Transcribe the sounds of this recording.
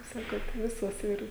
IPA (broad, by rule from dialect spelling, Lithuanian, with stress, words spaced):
kɐɪp ˈsɑːkoːt ˈʋʲɪsoːs ˈɪr